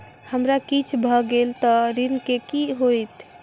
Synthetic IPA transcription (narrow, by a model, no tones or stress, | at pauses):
həmɾakit͡ʃʰbʱəɡelt̪ɔɾinkekiɦojt̪